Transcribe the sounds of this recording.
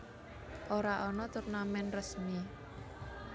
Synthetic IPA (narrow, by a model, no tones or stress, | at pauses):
ʔoɾaʔɔnɔt̪ʊrnamɛnrəsmi